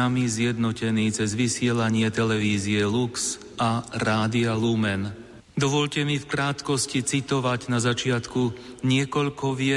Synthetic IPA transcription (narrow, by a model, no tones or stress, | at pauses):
amizjɛd̪nɔcɛniːt͡sɛzʋisɪɛlaɲɪɛt̪ɛlɛʋiːziɛluks | ʔaɾaːd̪ialumɛn | d̪ɔʋɔʎcɛmifkɾaːt̪kɔscit͡sit̪ɔʋaɟnazat͡ʃɪat̪kuɲɪɛkɔʎkɔʋɪɛ